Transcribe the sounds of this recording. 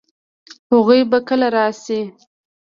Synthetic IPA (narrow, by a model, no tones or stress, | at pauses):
haɣujbakəlaɾɑsi